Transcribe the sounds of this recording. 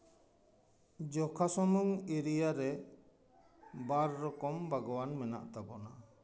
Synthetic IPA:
d͡ʒɔkʰasɔmuŋiɾijaɾɛ | baɾːɔkɔmbaɡɔwanmɛna̰ʔt̪abɔna

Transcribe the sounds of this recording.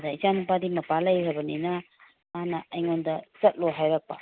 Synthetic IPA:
dɐit͡ʃanupadimɐpalɐjɾɐbɐninɐ | manɐʔɐjŋondɐt͡ʃɐt̚loɦajɾak̚pa̰

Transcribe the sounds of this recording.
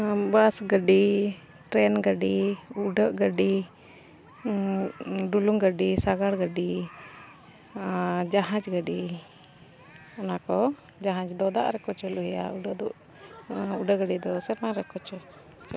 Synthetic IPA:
basɡəɖi | ʈɾɛnɡəɖiuɖəʔɡəɖi | ɖuluŋɡəɖisaɡaɽɡəɖi | d͡ʒaɦãd͡ʒɡəɖi | ɔnakɔ | d͡ʒaɦãt͡ʃd̪ɔd̪a̰ʔɾɛkɔt͡ʃəluɦja̰uɖəd̪uʔ | uɖəɡəɖid̪ɔsɛɾmaɾɛkɔt͡ʃɔ | t͡ʃ

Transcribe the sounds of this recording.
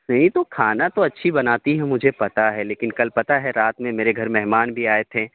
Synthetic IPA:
nɐɦĩt̪okʰaːnat̪oɐtːʃʰibɐnaːt̪iɦɛmʊd͡ʒʱepɐt̪aɦɛleːkɪnkɐlpɐt̪aɦɛɾaːt̪mẽmeːɾeɡʱɐɾmɛɦmaːnbʱiaːet̪ʰẽː

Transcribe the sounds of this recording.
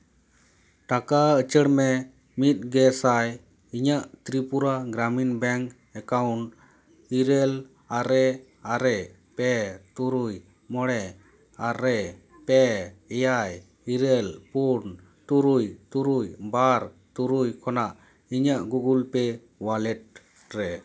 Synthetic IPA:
ʈakaət͡ʃəɽmɛ | mit̪̚ˀɡɛsaj | iɲaʔt̪ɾipuɾaɡɾaminbɛŋk | ɛkawɳʈ | iɾɛl | aɾɛ | aɾɛ | pɛt̪uɾuj | mɔɽɛ | aɾɛ | pɛɛjaj | iɾɛlpuɾn | t̪uɾujt̪uɾujbaɾ | t̪uɾujkʰɔnaʔ | iɲaʔɡuɡulpɛ | walɛʈ̚ | ɾɛ

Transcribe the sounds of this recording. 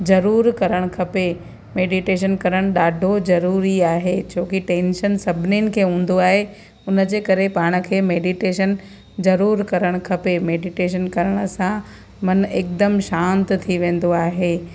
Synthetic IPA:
zɐɾuːɾkɐɾəɽ̃kʰɐpe | meːɖiʈeːʃ̬ənkɐɾəɽ̃ɗaːɖʱozɐɾuːɾiaːɦet͡ɕʰoːkiʈẽːnʃənsɐbʱɪnɪnɪ̆kʰeːɦũːn̆d̪oaːɦe | ʊnə̆d͡ʑeːkɐɾepaːɽ̃ə̆kʰeːmeːɖiʈeːʃən | zɐɾuːɾkɐɾəɽ̃kʰɐpemeːɖiʈeːʃ̬ənkɐɾəɽ̃ə̆sã | mɐneːk̚d̪əmʃãːnt̪t̪ʰiʋẽːn̆d̪oaːɦeː

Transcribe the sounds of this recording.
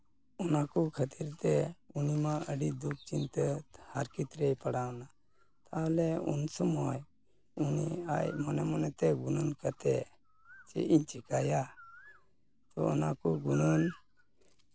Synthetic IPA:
ɔnakukʰət̪iɾt̪ɛunimaəɖid̪uk̚ʰt͡ʃint̪əhaɾkit̪ɾejpəɽawna | t̪aɦlɛṵnsəmɔj | unia̰jmɔnɛmɔnɛt̪ɛɡununkət̪ɛ | t͡ʃḛʔiɲt͡ʃikaja | t̪ɔɔ̰nakuɡunɔn

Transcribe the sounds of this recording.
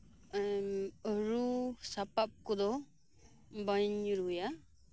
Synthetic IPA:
əɾusapap̚kud̪ɔ | baɲɾuja

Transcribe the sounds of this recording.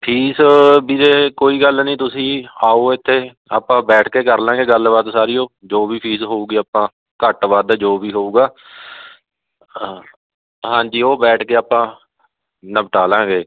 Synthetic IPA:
pʰiːsbiːɾeːkoːiːɡəlnĩːt̪ʊsĩːaːoːɪt̪ʰːeː | a̰ːpãːbɛːʈʰkeːkəɾlãːɡeːɡəlʋaːd̪saːɾiːõːd͡ʒoːbiːpʰiːsɦoːuːɡiːaːpãː | kəʈʋaːd̪d͡ʒoːʋiːɦoːuːɡaː | ɦãːɲd͡ʒiːoːbɛːʈʰkeːaːpãː | nəbʈaːlãːɡeː

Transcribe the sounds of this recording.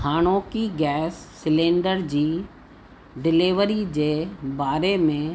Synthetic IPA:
haːɽ̃oːkiɡɛːsːɪlẽːɳɖəɾd͡ʑiː | ɖɪlɪʋəɾid͡ʑeːbaːɾemẽ

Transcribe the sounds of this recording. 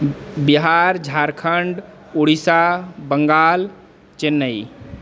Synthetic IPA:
biɦaːɾd͡ʒʱaːɾkʰəɳɖ | uɽisabəŋɡaːl | t͡ʃenːəi

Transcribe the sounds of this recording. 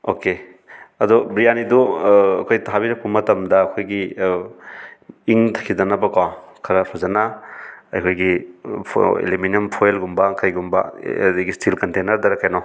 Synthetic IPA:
oke | ɐdɔbɾijaniduɐ̰kʰojtɦabiɾɐk̚pɐmɐtɐmdɐːkʰojɡi | iŋt̪ʰḁkʰidɐnɐbɐkwakʰɐɾɐpʰazɐnaɐ̰jkʰojɡi | ḛliminempʰojelɡumbɐkajɡumbɐ̰dɐɡistʰilkɐntenɐɾdɐɾɐkːajnɔ

